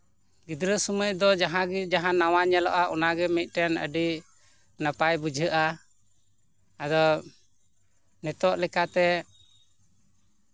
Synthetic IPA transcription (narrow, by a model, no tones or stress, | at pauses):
ɡid̪ɾəsuməcd̪ɔd͡ʒaɦãɡd͡ʒaɦãnawaɲɛlɔʔaʔɔnaɡɛmɛc̪̚ˀʈɛnə̰ɖi | napajbud͡ʒʱəʔa | ad̪ɔ | nɛt̪ɔʔlɛkat̪ɛ